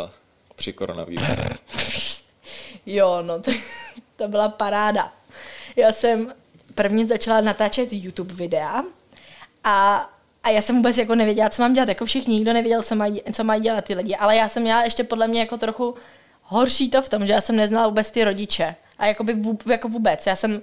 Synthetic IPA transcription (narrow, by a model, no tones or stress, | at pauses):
pr̥ɪkoɾo̰na̰vḭːɾ̰ | jonot̪t̪obɪlapaɾaːda | jaːsɛm | pr̩vɲɪzat͡ʃalanat̪aːt͡ʃɛt̪jut̪upvɪdɛa | ʔa | ʔajaːsɛmvuːbɛt͡sjak̬o̞nɛvjɛɟɛlat͡so̞maːmɟɛlat̪jakofʃɪxɲɪɲɪɡdo̞nɛvjɛɟɛlt͡somajt͡so̞majɟɛlat̪̚ːɪlɪɟɪʔalɛjaːsɛmːɲɛlaɛʃcɛpo̞dlɛmɲɛjakot̪ɾoxu | ɦorʃiːt̪o̞ft̪o̞mʒɛjaːsɛmnɛznalavuːbɛt͡st̪ɪɾo̞ɟɪt͡ʃɛ | ʔajakobɪvujakovuːbɛt͡sjaːsɛm